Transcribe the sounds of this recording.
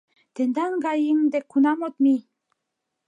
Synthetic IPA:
t̪end̪æŋɡɑjiŋd̪ekʰːunɑmot̪mi

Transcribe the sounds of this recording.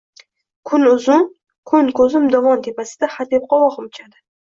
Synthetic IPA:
kʰʊnʊzʊn | kʰɵnkʰɵzɪmd̪ɒvɒnt̪ʰepasɪ̥d̪aχat̪ep̚qɒwɒqɨmʊt͡ʃʰad̪ɪ

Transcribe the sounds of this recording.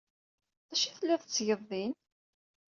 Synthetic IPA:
ðæʃiθlːæðət͡sːʝəðˤːin

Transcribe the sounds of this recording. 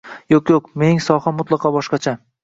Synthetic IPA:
jokʲjokmeŋsɒhamːʊt̪lˠɑqʰɑbɒʃqɑt͡ʃʰa

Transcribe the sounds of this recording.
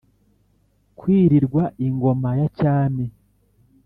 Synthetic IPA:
kwiːɾiɾɡwaʔiŋɡo̞majacaːne

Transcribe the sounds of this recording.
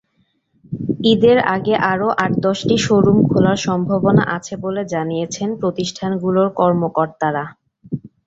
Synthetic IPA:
id̪eɾaɡeʔaɾoʔaʈd̪ɔʃʈiʃoɾumkʰulaɾʃɔmbʱabona̰ʔat͡ɕʰeboled͡ʑanijet͡ɕʰenpɾot̪iʃʈʰanɡuloɾkɔɾmokoɾt̪aɾa

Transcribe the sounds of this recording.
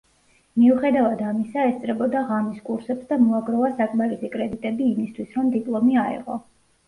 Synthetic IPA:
miuχɛd̪avad̪amisaɛst̪sʼɾɛbɔd̪aʁamiskʼuɾsɛpsd̪amɔaɡɾɔvasakʼmaɾisikʼɾɛd̪it̪ʼɛbiːmist̪ʰwisɾɔmd̪ipʼlˠɔmiaɛ̰ʁɔ̰

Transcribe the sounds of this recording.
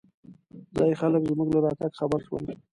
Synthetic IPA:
zɑjxaləkzmuɡlaɾɑt̪aɡxabaɾʃwə̰l

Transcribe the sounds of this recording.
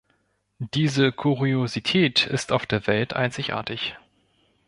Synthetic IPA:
d̥iːzəkʰuʁiozitʰɛːtʰɪ̰staʊfd̥eːɐvɛltʰʔa̰ɪnt͡sɪçʔa̰ːɐtɪç

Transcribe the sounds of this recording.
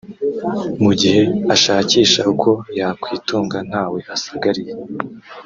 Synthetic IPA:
muɟihe̞aʃaːciːʃaukʰo̞jakwiːtuːŋɡan̥haːwe̞asaɡaɾije

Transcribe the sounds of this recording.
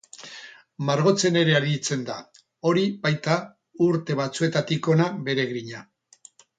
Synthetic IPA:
maɾɣo̞t͡se̞ne̞ɾe̞aðit͡se̞nd̪a | o̞ɾibajt̪a | uɾt̪e̞βat͡sue̞t̪at̪iko̞nabe̞ɾe̞ɣɾiɲa

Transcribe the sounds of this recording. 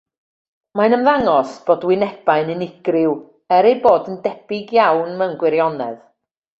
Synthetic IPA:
majnəmvaŋɔsb̥oːdwɪnɛb̥aɨnɨnɪɡ̥rɪw | ɛɾejboːdəndɛb̥ɪɡjawnmɛwnɡwɪɾjɔnɛ̰ð

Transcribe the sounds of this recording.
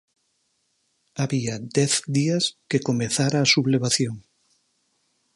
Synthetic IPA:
aβiad̪ɛθd̪iaskekomeθaɾaːsuβleβ̞aθjoŋ

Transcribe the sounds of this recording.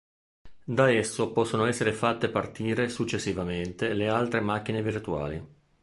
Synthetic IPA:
d̪aɛsːopɔsːonoɛsːeɾefat̪ːepart̪iːɾesut͡ʃːesːivament̪elealt̪ɾemak̟ːinevirt̪ua̰ːlḭ

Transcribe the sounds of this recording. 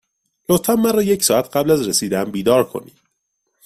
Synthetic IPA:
lot̪fæmːæɾɒːjecʰsɒːæt̪ʰɢæblæzɾesiːd̪æmbiːd̪ɒːɾkʰo̞̰nḭː

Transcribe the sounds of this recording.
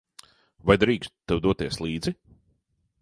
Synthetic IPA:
vajd̪ɾiːkst̪t̪ːɛwd̪uɔt̪iɛslˠiːd̪zi

